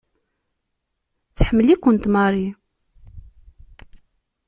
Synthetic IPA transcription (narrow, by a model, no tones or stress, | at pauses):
θħəmːəlikʷːənt̪mɑɾˤi